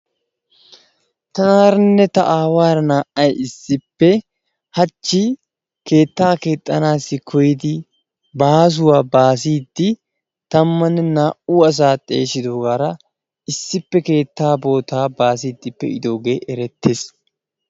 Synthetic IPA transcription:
t̪ɐnaːɾɐnːɛt̪ɐʔaːwaːɾɐnaːʔɐjɪsːɪpːɛ | hɐt͡ʃːɪ | ke̞ːt̪ːaːke̞ːt̪ʼːɐnaːsːɪkʰɔjɪd̪ɪ | baːs̬ʊwaːbaːsiːd̪ːɪ | t̪ɐmːɐnːɛnaːʔuːɐs̬aːt̪ʼe̞̰ːʃɪd̪oːɡaːɾɐ | ɪsːɪpːɛke̞ːt̪ːaːbo̞ːt̪aːbaːs̬iːd̪ːɪpːɛ̰ɪd̪o̞ːɡe̞ːʔɛɾɛt̪ːeːs

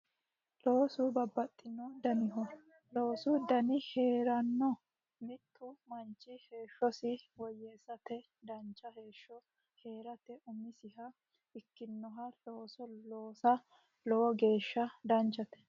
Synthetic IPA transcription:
loːsʊbɐbːɐt̪ʼːɪnːɔd̪ɐnɪɦɔ | lo̞ːsʊd̪ɐnɪhe̞ːɾɐnːɔ | mɪt̪ːʊmɐnt͡ʃʼːɪhe̞ːʃːɔsɪwɔjːesːɐt̪ɛ | d̪ɐnt͡ʃːɐhe̞ːʃːɔ | he̞ːɾɐt̪ɛʔʊmɪsɪhɐ | ɪkːɪnːɔɦɐloːsɔloːsɐ | lɔwɔɡe̞ːʃːɐd̪ɐnt͡ʃːɐt̪ɛ̥

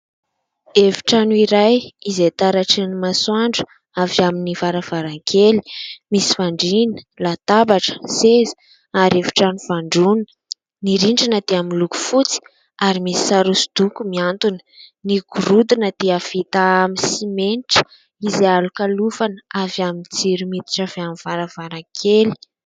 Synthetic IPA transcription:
eviʈ͡ʂanuiɾajizet̪aɾaʈ͡ʂinimaswaɳɖ͡ʐu̥ | avjaminivaɾav̥aɾaŋkʰeli̥misi̥vaɳɖ͡ʐinə̥lat̪abaʈ͡ʂə̥sezi̥ | aɾevi̥ʈ͡ʂanuvaɳɖ͡ʐun | niɾiɳɖ͡ʐinəd̪eamiluku̥fut͡si̥ | aɾimisi̥saɾusu̥d̪ukumiant̪unə̥niɡuɾud̪inəd̪̥eəv̥it̪aamisimenʈ͡ʂə̥ | izalukalufanavjamint͡siɾumit̪i̥ʈ͡ʂaveamiv̥aɾav̥aɾaŋkʰeli̥

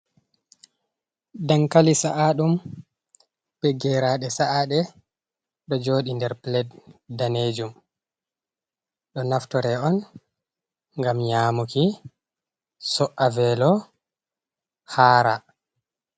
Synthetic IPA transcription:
daŋkalisaʔaɗum | pɛɡɛɾaɗɛsaʔaɗɛ | ɗɔd͡ʒoːɗindɛɾplɛddaned͡ʒum | ɗɔnaftɔɾɛɔn | ŋɡamɲaːmuki | sɔʔavɛlɔ | haːɾa̰

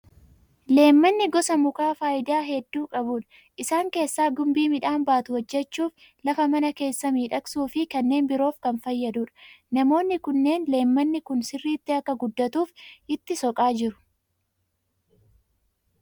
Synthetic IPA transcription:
le̞ːmːɐnːɪɡɔsɐmʊkaːfaːjɪd̪aːɦɛd̪ːuːkʼɐbuːᶑɐ̥ | ʔɪsaːŋke̞ːsːaːɡʊmbiːmɪᶑaːnbaːt̪ʊhɔd͡ʒːɛt͡ʃːuːf | lɐfɐmɐnɐke̞ːsːɐmiːᶑɐksuːfɪkɐnːe̞ːnbɪɾo̞ːfkɐnfɐjːɐd̪uːᶑɐ̥nɐmo̞ːnːɪkʊnːe̞ːnle̞ːmːɐnːɪkʊnsɪrːiːt̪ːɪɐkːɐɡʊd̪ːɐt̪uːfʔɪt̪ːɪsɔkʼaːd͡ʒɪɾʊ̥

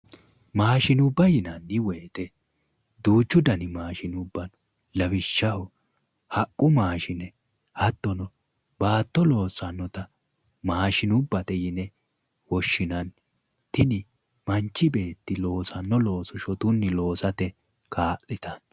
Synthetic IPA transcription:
maːʃɪnʊbːɐjɪnɐnːɪweːt̪ɛ | d̪uːt͡ʃːʊd̪ɐnɪmaːʃɪnʊbːɐn | lɐbɪʃːɐhɔ | hɐkʼːʊmaːʃɪnɛ | hɐt̪ːɔnɔ | baːt̪ːɔlo̞ːsɐnːɔt̪ɐ | maːʃɪnʊbːɐt̪ɛjɪnɛ | wɔʃːɪnɐn | t̪ɪnɪ | mɐnt͡ʃːɪbe̞ːt̪ːɪlo̞ːsɐnːɔlo̞ːsɔʃɔt̪ʊnːɪlo̞ːsɐt̪ɛ | kʰaːʔɪt̪ɐn

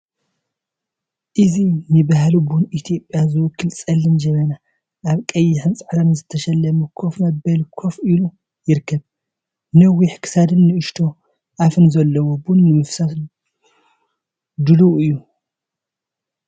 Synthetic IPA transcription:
ʔɨzinɨbahlubunʔit̪ʰijo̞pʼjazɨwʊkʰːɨlsʼɐlːɨnd͡ʒɐmɐna | ʔaβkʼɐjːɪħɨnt͡sʼɨħɾɐnzɨt̪ʰɐʃɐlːɐmukʰo̞fmɐbːɐlkʰo̞filu | jɪɾkʰːɐβ | nɐwːiħkʰɨ̥sad̪ɨnːɨʔɨʃt̪ʰo̞ | ʔafɨnzɐlːɐwobunːɨmɨfsat̪ | d̪ɨluɨjːu

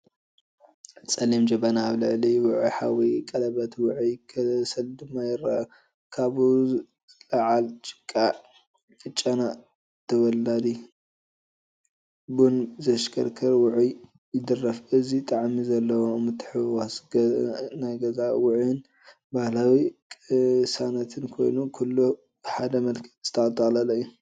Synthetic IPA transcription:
t͡sʼɐlimd͡ʒɐβɐnaːβlɨʕliwʊʕuħawikʼɐlɐβɐt̪wʊʕujkʰɐsɐld̪ɨmːajɪɾa | kʰaβu | laʕalt͡ʃʼɪ̥kʼːa | ɨt͡ʃʼːana | t̪ʰɐwɐlːad̪i | bunzɐʃkʰɐɾkʰɐɾwʊʕuj | jɪd̪ɨrːɐfɨzit̪ʼaʕmizɐlːɐwomɨt̪ʰːɨ̥ħɨwasɡnajɡɐzawʊʕɪn | bahlawikʼɨsanɐt̪ʰɨnkʰo̞jnukʰulːu | ħad̪ɐmɐlkʰɐ̥z̥ɨ̥t̪ʰɐt̪ʼɐxlɐlɐjːu

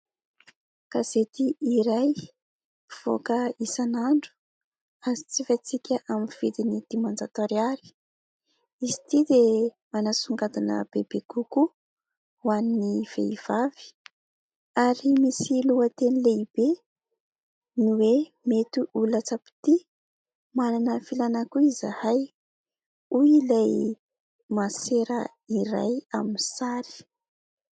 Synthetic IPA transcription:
kaz̥et̪iiɾaj | iv̥o̰kəisanaɳɖ͡ʐu̥ | azit͡sifat͡sikʲəʔaminv̥id̪inid̪̥imand͡zat̪aɾiaɾi̥ | izi̥t̪id̪e | manasuŋɡad̪unə̰b̥eb̥eɡ̥uku | waniniv̥ḛiv̥av̥i̥ | aɾimisiluət̪enileib̥e | nuwe | met̪uʔulat͡sapi̥t̪i | mananəfilanakuizahaj | uilaj | maseɾə | iɾa̰jaminisaɾi̥

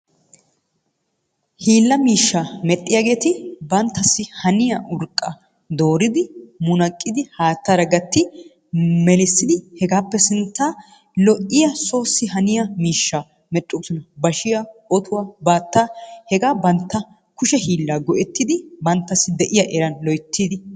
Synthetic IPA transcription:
hiːlːɐmiːʃːaːmɛt̪ʼːɪjaːɡe̞ːt̪ɪbɐnt̪ːɐsːɪhɐnɪjɐʔʊɾkʼːɐ | d̪o̞ːɾɪd̪ɪmʊnɐkʼːɪd̪ɪhaːt̪ːaɾɐɡɐt̪ːɪ | mɛlɪsːɪd̪ɪhɛɡaːpːɛsɪnt̪ːaː | lɔʔɪjɐso̞ːsːɪhɐnɪjɐmiːʃːa | mɛt̪ʼːusɔnɐbɐʃɪjaʔɔt̪ʰʊwabaːt̪ːaːhɛɡaːbɐnt̪ːɐ | kʊʃɛhiːlːaːɡɔʔɛt̪ːɪd̪ɪbɐnt̪ːɐsːɪd̪ɛʔɪjɐʔɛɾɐnlɔjt̪ʰːiːd̪ɪ

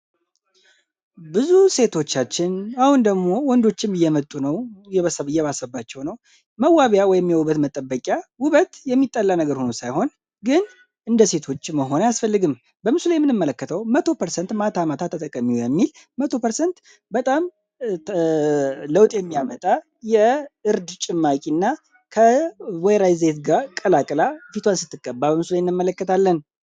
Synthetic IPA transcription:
bɨzuse̞t̪ʰo̞t͡ʃːat͡ʃːɪnahund̪əɡmo̞wɔnd̪o̞t͡ʃːɪmɨjːɛmət̪ʼːunəwjɛβsəjɛβasəbːat͡ʃːɛwnəw | məwaβjawɔjɛmːijəwuβət̪mət̪ʼəbːəkʼjawʊβət̪jɛmːit̪ʼːəlːanəɡəɾho̞nusajho̞n | ɡɨn | ʔɨnd̪əse̞t̪ʰo̞t͡ʃːməɦo̞najasfəlːɨɡɨm | bəmɨsulajɛmːɨnɨmːələkːət̪ʰəwmət̪ʰo̞pʰəɾsənt̪mat̪ʰamat̪ʰat̪ʰːət̪ʼəkʼːəmːiujɛmːil | mət̪ʰo̞pəɾsənt̪ | bət̪ʼam | ləwt̪ʼjɛmːijamət̪ʼa | jɛɨɾd̪t͡ʃʼɪmːakʼinːa | kʰəwɔjɾajzet̪ɡakʼəlakʼlafit̪ʰwansɨt̪ːɨɡʼːəbːabəmɨsulajnːɨmːələkːət̪ʰalːən

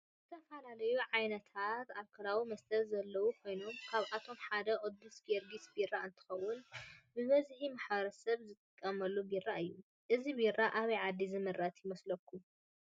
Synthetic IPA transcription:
zɨt̪ʰɐfɐlalɐjuʕajnɐt̪ʰat̪alkʰɐlawimɐst̪ʰɐlzɐlːɐwukʰo̞jno̞mkʰaβʔat̪ʰo̞mħad̪ɐʔod̪usɡeɾɡisbiraɨnt̪ʰɨ̥xɐwːʊnbɨβɐzħimaħbɐɾɐsɐβzɨt̪ʼɨkʼːɐmɐlːubiraɨjːu | ʔɨzibirːaʔaβiʕad̪ːizɨmɨɾʔat̪ʰjɪmɐslɐkʰːu

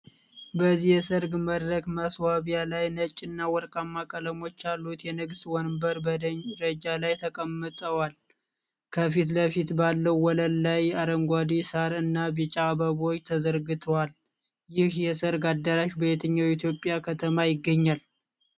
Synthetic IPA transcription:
bəzijɛsəɾɡməd̪ɾəɡməswaβijalajnət͡ʃʼːɪnːawɔɾkʼamːakʼələmo̞t͡ʃːalːut̪jɛnɨɡswɔnmbəɾbəd̪əɲɾəd͡ʒalajt̪ʰəkʼəmːɨt̪ʼəwal | kʰəfit̪ləfit̪balːəwːɔləlːajaɾəŋɡʷad̪isaɾɨnːabit͡ʃʼabəβo̞t͡ʃːt̪ʰəzəɾɡɨt̪ʰəwal | jɪhjɛsəɾɡad̪ːəɾaʃbəet̪ʰəɲːawit̪ʰjo̞pʼjakʰət̪ʰəmajɪɡːəɲːal

